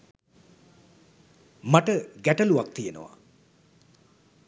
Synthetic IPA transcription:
maʈəɡæʈəluak̚t̪ijenə̰ʋa̰

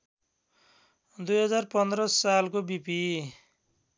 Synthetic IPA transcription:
d̪ujɦʌd͡zarpʌnd̪rʌsalkobipi

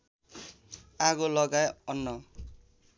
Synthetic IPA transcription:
aɡolʌɡajʌnːʌ

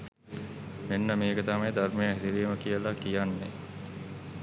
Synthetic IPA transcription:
menːəmeːkət̪amajd̪ɐrmejaɦd̪iɾijəməkijəlakijanːe

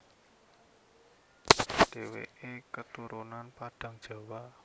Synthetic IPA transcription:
ɖ̥ewḛekət̪uɾunanpaɖ̥a̤ŋd̥ʒ̥a̤wa

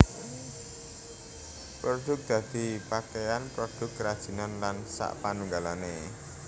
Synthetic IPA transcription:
pɾoɖ̪̥ʊ̤k̚d̪̥ä̤d̪̥i̤pakejanpɾod̪̥ʊ̤kɾad̥ʒ̥i̤nɔnlansa̰ʔpanuŋɡalane

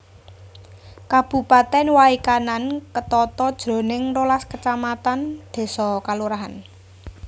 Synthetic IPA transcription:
kab̥ṳpat̪ɛnwaikanankət̪ɔt̪ɔd̥ʒ̥ɾo̤nɪŋrolaskət͡ʃamat̪and̪̥e̤sɔkaluɾaɦan

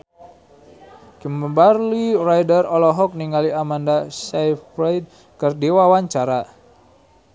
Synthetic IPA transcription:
kəmbəbarlirajdərɔlɔɦɔk̚niŋaliamandasajfɾajd̚ | kɨrdiwawaɲt͡ʃaɾa

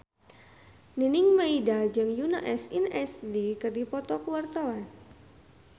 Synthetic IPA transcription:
ninɪŋmaidad͡ʒɨŋjunaʔɛsinɛsdikərdipɔt̪ɔkəwart̪awan

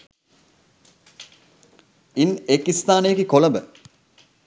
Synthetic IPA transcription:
inekist̪aːnejekikoləmbə

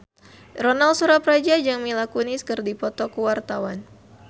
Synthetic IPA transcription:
rɔnalsuɾapɾad͡ʒad͡ʒaŋmilakuniskɨrdipɔt̪ɔkuwart̪awan

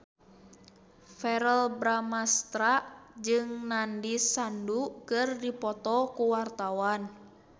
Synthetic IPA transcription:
fɛɾəlbɾamast̪ɾad͡ʒɨŋnandisandukɨrdipɔt̪ɔkuwart̪awan

